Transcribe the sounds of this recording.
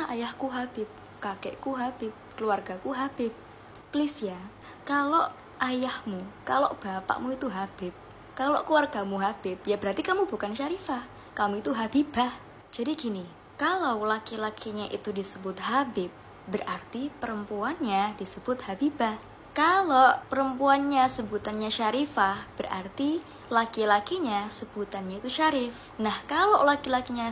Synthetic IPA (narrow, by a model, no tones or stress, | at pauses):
ajahkuɦab̥ɪp̚ | kakɛ̰ʔkuɦabɪp̚kəluarɡakuɦab̥ɪp̚ | plɪsja | kaloʔ | ʔajahmukalo̰ʔb̥apa̰ʔmuit̪uɦab̥ɪp̚ | kaloʔkluarɡ̥amuɦab̥ɪp̚jabəɾart̪ikamubukanʃaɾifah | kamuit̪uɦabib̥ah | d͡ʒ̥adiɡini | kalawlakilakʰiɲaʔḭt̪udisəbʊt̪ɦabɪp̚ | bəɾʔart̪ipəɾəmpuanɲadisəbʊt̪̚habibah | kalopəɾəmpuanɲasəbut̪anɲaʃaɾifahb̥əra̰rt̪i | lakilakiɲasəb̥ut̪anɲait̪uʃaɾɪf | nahkaloʔlakilakiɲa